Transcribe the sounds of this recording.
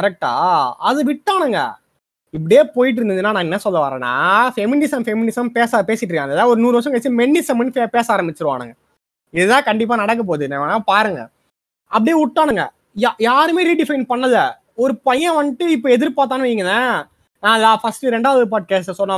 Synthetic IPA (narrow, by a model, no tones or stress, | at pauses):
kɐɾɛk̚ʈa̰ːɐðɯʋɪʈːaːɳɯŋɡɐ̰ | ɪp̬ːɐɽɪjeːpoːjɪʈ̬ɪɾɯnd̪ɯd̪ɯnːaːnãːɛnːɐsɔlːɐʋa̰ːɾɐ̰ːnːa̰ːfɛmɪnɪsɐmfɛmɪnɪsɐmpeːsapeːsɪʈ̬ːɯkːãŋɛðaːʋɔɾɯnuːɾɯʋɐʂ̬ɐ̃kɐt͡ʃːɯmɛɳːɪsɐmɪnːɯfepeːsaːɾɐmbɪt͡ʃːɯɾɯʋa̰ːɳɯ̰ŋɡɐ | ɪðɯt̪ãːkɐɳɖɪp̬ːaːnɐɽɐk̬ːɐp̬oːðɯneʋːnapaːɾɯŋɡɐ̰ | ɐp̬ːɐɽɪjeʊʈːaːɳɯŋɡɐ̰ | jaːɾɯmeːɾiːɖɪfɐɪnpɐɳːɐð | ɔɾɯpɐjɐ̃ʋɐnɪʈːɯɪpːoːɛðɪɾpaːt̪ːaːnʋɐjɪŋɡɐðã | nãːɪðaːfɐsʈɯɾɛɳɖaːʋɐðɯp̬aːɖ̚keːsʈsɔlː